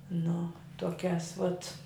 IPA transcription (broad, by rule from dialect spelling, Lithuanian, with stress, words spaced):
nʊ toːˈkʲæːs ʋɐt